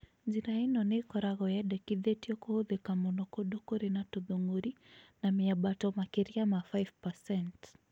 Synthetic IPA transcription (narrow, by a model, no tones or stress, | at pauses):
d͡ʒiɾainɔnekɔɾaɣɔjɛɗɛkiðɛtiɔkɔhuðekamɔnɔkɔɗɔkɔɾinatuðoŋɡuɾinamiaɓatɔmakiɾiamafajvpasɛnt